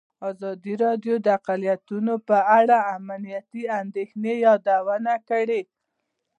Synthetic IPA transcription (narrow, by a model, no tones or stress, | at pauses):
ɑzɑd̪iɾɑd̪jod̪əaqalijat̪unopəaɽaːmanijat̪iand̪exnejɑd̪awənakəɽe